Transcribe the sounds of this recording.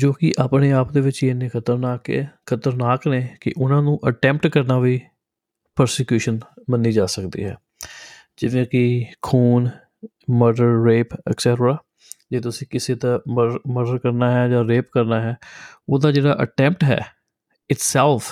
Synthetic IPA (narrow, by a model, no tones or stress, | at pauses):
d͡ʒoːkɪʔaːpneːaːpd̪eːʋɪt͡ʃenːeːkʰət̪əɾnaːkekʰət̪əɾnaːkneːkɪ̰ʔʊnãːnũːʔəʈɛ̃ːmpʈkəɾnaːʋiː | pəɾsekjuːʃənmənːiːd͡ʒaːsəkd̪ḭːɦɛ̰ː | d͡ʒɪʋẽːkɪkʰuːn | məɖəɾːeːpɛ̰ːksɛːʈəɾaː | d͡ʒeːt̪ʊsĩːkɪseːt̪aːməməɾɖəɾkəɾnaːɦɛːd͡ʒãːɾeːpkəɾnaːɦɛːoːd̪aːd͡ʒeːɽa̰ːʔə̰ʈɛ̃ːmp̚ʈɦɛ̰ː | ɪʈsɛːlfʰ